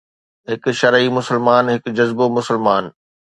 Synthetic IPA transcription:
ɦɪkʃɐɾimʊsəlmaːnɦɪkd͡ʑɐzbomʊsəlmaːn

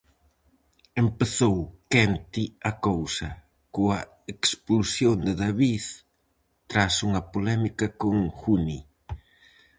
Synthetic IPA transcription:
empeθowkɛnt̪iɐkowsɐ | koɐ | eksplusjond̪ɪðaβiθ | t̪ɾasuŋɐpolɛmikɐkoŋxuni

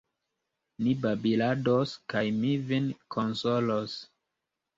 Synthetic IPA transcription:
nibabiladoskajmivinkʰonsolos

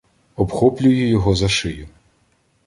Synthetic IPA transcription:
ɔbxɔplʲʊjɪjɔɦɔzɐʃɪjʊ

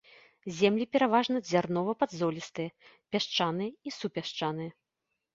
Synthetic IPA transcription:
zʲɛmlʲipʲɛɾavaʐnɐzʲarnɔvɐpɐd̪zɔlʲist̪ɨjɐ | pʲaʂt͡ʂanɨjɐisupʲaʂt͡ʂanɨjɐ

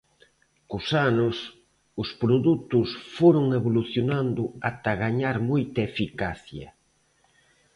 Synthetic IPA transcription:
kʊsanʊs | ʊspɾoðut̪ʊsfoɾʊŋeβoluθjonand̪ʊat̪ɐɣaɲaɾmojt̪ɐefikaθjɐ̰

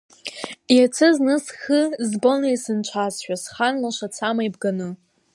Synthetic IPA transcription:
jat͡sʰɨznɨsxɨzbonejsɨnt͡ʃʷʰazʃᶣasχanlaʃʷat͡sʰamajbɡanɨ

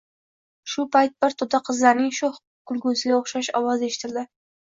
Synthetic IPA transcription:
ʃʊpʰajt̪̚bɪɾt̪ʰʊd̪aqʰɨzlaɾnɪŋʃoh | kʰʊlɡʊzlɪoχʃaʃɒwɒze̞ʃɪ̥t̪ʰɪld̪ɪ

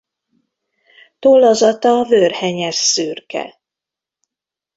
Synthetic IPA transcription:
t̪olːozɒt̪ɒvørhɛɲɛsːyrkɛ̰

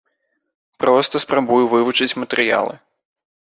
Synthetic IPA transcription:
pɾɔst̪ɐspɾabujuvɨvut͡ʂɨt͡sʲmɐt̪ɛɾɨja̰lˠɨ̰

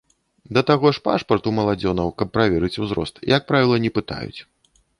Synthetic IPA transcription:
d̪ɐt̪aɣɔʂpa̰ʂpɐrt̪umɐlˠad͡zʲɔnɐwkɐpːɾavʲɛɾɨt͡sʲuzɾɔ̰st̪jɐk̚pɾavʲilˠɐnʲɛpɨt̪a̰jṵt͡sʲ

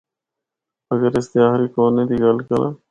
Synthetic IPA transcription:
əɡəɾɪst̪ɪaːɦɾiːkoːnːeːd̪iɡɐlkəɾã̰ː

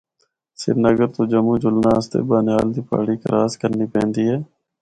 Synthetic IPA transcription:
sɪ̰ɾnəɡəɾt̪oːd͡ʒəmuːd͡ʒʊlnaːəst̪ḛːbaːnaːld̪iːpa̰ːɽiːkə̰ɾaːskəɾniːpɛ̃ːnd̪iːɦɛː

